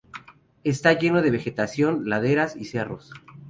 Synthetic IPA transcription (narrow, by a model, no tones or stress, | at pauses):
e̞st̪aʝe̞no̞ð̞e̞βe̞xe̞t̪asjo̞nlaðe̞ɾasise̞ro̞̰s